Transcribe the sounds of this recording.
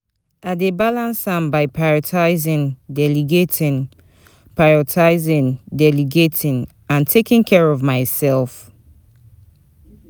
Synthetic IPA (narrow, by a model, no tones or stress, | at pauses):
aɪdebalãnsãmbaɪpʰɹaɹɔtʰaɪzɪ̃ndɛliɡetʰĩn | pɹaɹɔtʰaɪzɪ̃ndɛliɡetʰĩn | ãntʰekĩnkʰɛɹɔvmaɪsɛlf